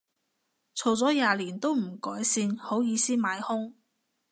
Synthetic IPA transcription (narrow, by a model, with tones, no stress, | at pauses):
t͡sʰo˨˩wt͡sɔː˨˥jaː˨liː˨˩nt̪o˥wm̩˨˩kɔː˨˥jsiː˧nho˨˥wjiː˨˧siː˥maː˨˧˥jhʊ˥ŋ